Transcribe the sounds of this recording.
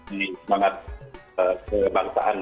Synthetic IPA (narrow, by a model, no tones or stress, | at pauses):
səmaŋat̪̚əkəbarsa̰ʔan